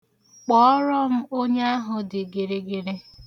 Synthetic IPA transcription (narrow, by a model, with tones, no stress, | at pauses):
k͡pɔ˨˦ɔ˦ɾɔ˦m̩˦o˦ɲe˦a˦ɦʊ˨dɪ˨ɡe˨ɾe˦ɡe˨ɾe˦